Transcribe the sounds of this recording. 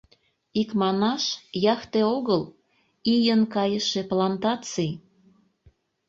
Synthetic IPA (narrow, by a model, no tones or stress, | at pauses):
ikmɑnɑʃjɑxt̪eoɣəl | ijənkɑjəʃeplɑnt̪ɑt͡sij